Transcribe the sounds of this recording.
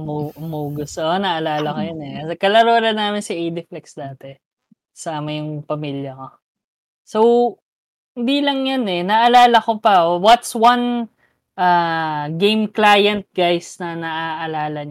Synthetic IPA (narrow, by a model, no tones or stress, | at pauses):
muʔʊmuːɡʊsonɐʔɐlaːlɐkojɐnɛkɐsɛkɐlɐɾoːɾɐnaːmɪnsiʔejd̪ɪflɛksd̪aːt̪ɛ | saɐmɐjʊŋpɐmiljɐko̞ | so̞w | hɪ̃nd̪ilɐŋjɐnɛnɐʔɐlaːlɐko̞pɐwɐt̪swɐn | ʔaːɡejmklaːjɐnt̪̚ɡajsnɐnɐʔaːʔɐlaːlɐɲ